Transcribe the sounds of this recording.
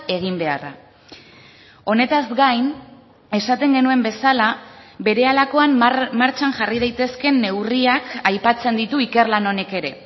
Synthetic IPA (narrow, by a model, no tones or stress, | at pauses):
e̞ɣimbe̞a̰ra̰ | o̞ne̞t̪azɡajn | e̞sat̪e̞ŋɡe̞nue̞mbe̞salabe̞ɾe̞alako̞ammaɾt͡ʃaŋʝarið̞ajt̪e̞ske̞nːe̞wriakajpat͡se̞nd̪it̪uike̞rlano̞ne̞ke̞ɾe̞